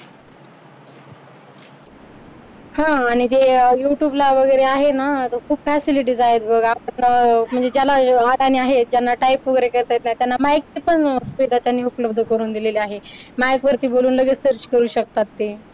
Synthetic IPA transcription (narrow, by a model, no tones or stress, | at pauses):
hãːɽ̃it̪ejuʈjuːblaʋəɡəjɾeaɦenat̪əkʰuːbfæsiliʈ̬iːd͡zaet̪bəɡapəɳm̤əɳd͡zed͡ʑjalaaɽañiaɦed͡ʑjanːaʈaipːuɡɾekəɾt̪ajt̪nat̪janːamajk̚epəɳəsʋid̪at̪janːiːupləb̚d̪ʱəkəɾuːnd̪ileliaɦemajkʋəɾt̪iːboluːnləɡəsəɾt͡ɕkəɾuːɕək̚t̪at̪ːe